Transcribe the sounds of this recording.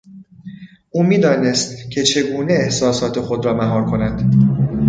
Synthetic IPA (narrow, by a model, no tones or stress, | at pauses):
ʔuːmiːd̪ɒːne̞st̪cʰe̞t͡ʃʰe̞ɡuːne̞ːhsɒːsɒːt̪ʰe̞xo̞d̪ɾɒːmæɦɒːɾkʰo̞nænd̪̥